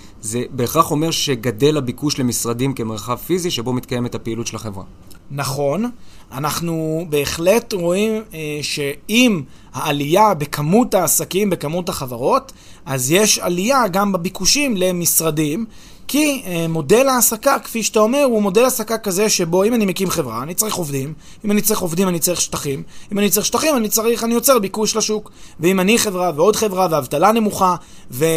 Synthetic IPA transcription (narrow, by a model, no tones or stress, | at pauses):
zebeχaχo̞me̞ʁʃe̞ɡade̞labikuʃle̞misʁadimke̞meʁχavfiziʃebo̞mit̪kaje̞metapeilutʃelaχevʁa̰ | naχo̞n | ʔanaχnube̞ːχle̞tʁo̞imʃe̞im | haːlijabekʰamutaːsakimbe̞kamutaχavaʁo̞t | azjeʃalijaɡambabikuʃimle̞misʁadim | kimo̞de̞laːsakakfiʃt̪ao̞me̞ʁumo̞de̞lasakakaze̞ʃebo̞imanimekimχe̞vʁa̰ːnit͡saʁiχo̞vd̪im | imanit͡saʁiχo̞vdimanit͡saʁiχʃt̪aχimimanitt͡saʁiχʃt̪aχimanit͡saʁiχanijo̞t͡seʁbikuʃlaʃukveimaniχevʁaveo̞d̪χe̞vʁaveavtalane̞muχa | ve